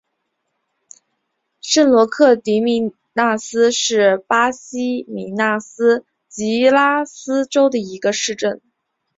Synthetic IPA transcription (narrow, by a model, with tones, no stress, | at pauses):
ʂə˥˩nlwɔ˧˥kʰɤ˥˩t̪i˧˥mi˧˩ | na˥˩sɹ̩˥ʂɻ̩˥˩pa˥ɕi˥mi˨˩na˥˩sɹ̩˥ | t͡ɕi˧˥la˥sɹ̩˥ʈ͡ʂo˥ʊd̪ə˨i˧˥ɡə˧ʂɻ̩˥˧ʈ͡ʂə˥˩n